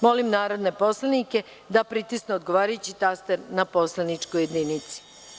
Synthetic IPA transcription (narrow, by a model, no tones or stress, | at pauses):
mo̞limnaːɾo̞d̪ne̞po̞slˠanike̞ | d̪apɾit̪isneod̪ɡo̞ʋaːɾajut͡ɕit̪ast̪eɾnapo̞slanit͡ʂkojed̪init̪si̥